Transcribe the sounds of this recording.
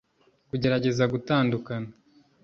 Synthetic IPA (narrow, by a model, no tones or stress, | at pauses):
kuɟe̞ɾaɟe̞zaɡutaːndukana